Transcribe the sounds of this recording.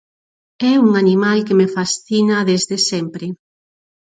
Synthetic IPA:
ɛuŋanimalkemefasθinaðezðesɛmpɾe

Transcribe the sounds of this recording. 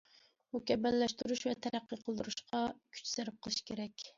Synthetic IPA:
ukʲʰɛmænlɛʃt̪yɾuʃvɛt̪ʰæɾæqːəqʰəlˠd̪uɾuʃqʰɑkʲʰy̥t͡ʃsæɾɪp̚qʰəlˠɨʃi̥kʲʰeɾɛkʲ

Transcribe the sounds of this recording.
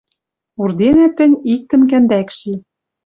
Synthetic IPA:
urd̪enæt̪ːɘ̆nʲik̚t̪ɘ̆mkænd̪ækʃi

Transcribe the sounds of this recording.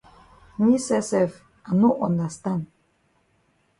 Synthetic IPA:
nisɛsɛv | anuʔɔnd̪ast̪an

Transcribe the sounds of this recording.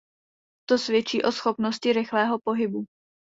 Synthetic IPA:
t̪o̞svjɛt͡ʃiːʔo̞sxo̞pnoscɪɾɪxlɛːɦo̞po̞ɦɪbu

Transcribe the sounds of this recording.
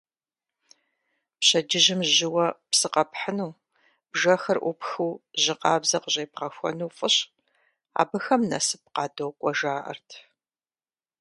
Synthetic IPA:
pɕɐd͡ʒɪʑɪmʑɪwɐpsɨqɐpħənuː | b̥ʒɐxɐrʔʷʊpxuwʑɪqɑːbzɐqəʑʼeːp̚qɐxʷɔ̰nuːfʼɨɕ | a̰ːbɨxɐmnɐ̰sɨp̚qɑːdowkʷʼɔʒaːʔɐ̰rtʰ

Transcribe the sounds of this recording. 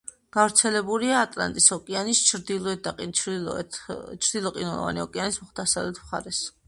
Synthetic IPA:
ɡ̥avɾt̪sʰɛlɛbuliaːt̪ʼla̰nt̪ʼisɔkʼianist͡ʃʰɾd̪ilˠɔɛt̪̚d̪aqʼi | t͡ʃʰɾd̪ilˠɔqʼinɛlˠɔ̰va̰niɔkʼianismɔχt̪ʰasavlɛt̪ʰmχa̰ɾɛs

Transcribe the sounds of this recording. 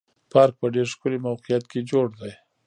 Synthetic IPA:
pɑɾk̚pəɖeɾʃkʊlemawqijat̪ked͡ʒoɽd̪aj

